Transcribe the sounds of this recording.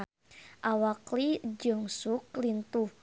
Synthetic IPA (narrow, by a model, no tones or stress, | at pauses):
ʔawaklid͡ʒɔŋsuklint̪uh